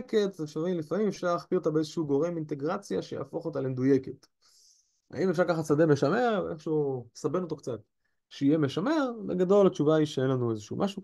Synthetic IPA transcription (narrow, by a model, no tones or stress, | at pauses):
ke̞tzefʃailifamimefʃaʁlaχpio̞tabeezeʃuuɡo̞ʁe̞mint̪e̞ɡʁat͡sjaʃeja̰ːfo̞χo̞talemed̪ujeke̞t | a̰imefʃaʁkaχat͡sad̪e̞me̞ʃame̞ʁveʔeχʃusabe̞no̞t̪̬o̞kt͡sat̪ | ʃeijemeʃame̞ʁbeɡado̞lat͡ʃuvaiʃeenlanuezeʃṵmʔaʃu